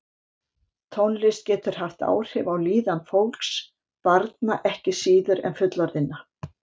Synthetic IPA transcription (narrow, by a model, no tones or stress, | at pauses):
t̪ʰɔnlɪst̪cɛːt̪ʏɾ̥haft̪a̰ːwr̥hɪvawliːðanfowlks | paɾt̪̚naʔɛhcɪsiːðʏɾɛ̰nfʏt̪laɾðɪnːa